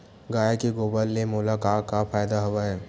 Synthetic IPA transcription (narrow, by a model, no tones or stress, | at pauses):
ɡaːekeɡoːbəlːemʊːlakaːkafaːjd̪aɦɐʋaɦɛː